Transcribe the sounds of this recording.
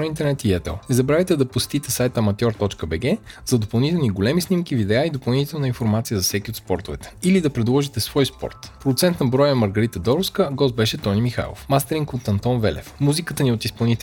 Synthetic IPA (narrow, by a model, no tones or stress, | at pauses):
int̪ɛɾnɛt̪iɛt̪ɛ̰lˠnɛzɐbɾavit̪ɛd̪ɐpʊst̪it̪ɛsajt̪əmɐt̪ʲjɔɾt̪ɔt͡ʃkəbɛɡɛzɐd̪opɐlˠnit̪ɛlˠniɡolɛmisnimk̟ivid̪ɛaid̪opɐlˠnit̪ɛlˠnəinfoɾmat̪sijəzɐfsɛkʲiot̪spɔɾt̪ovɛt̪ɛ̥ilid̪ɐpɾɛd̪lˠɔʒit̪ɛsvɔjspɔ̰ɾt̪pɾod̪ut̪sɛnt̪nnbɾɔjəmɐɾɡəɾit̪əd̪ɔɾuskəɡɔsbɛʃɛt̪ɔnimixa̰jlˠo̰fmast̪ɛɾiŋkot̪ɐnt̪ɔnvɛ̰lɛ̰fmuzikət̪əniot̪ispɐlˠnit̪